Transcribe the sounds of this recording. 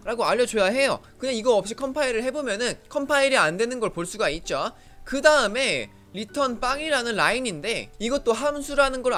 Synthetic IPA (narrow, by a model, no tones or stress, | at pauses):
ɾaɡoaʎːʌt͡ɕojaɦe̞jo̰ | kɯndeiɡʌʌp̚ɕ͈ikʰʌmpʰaiɾɯɭɦe̞bomjʌnɯnkʰʌmpʰaiɾiandwe̞nɯnɡʌɭpoɭs͈uɡait̚t͡ɕ͈o | kɯdaɯme̞ | ɾitʰʌnp͈aŋiɾanɯnɾaininde̞iɡʌt͈oɦamsʰuɾanɯnɡʌɾ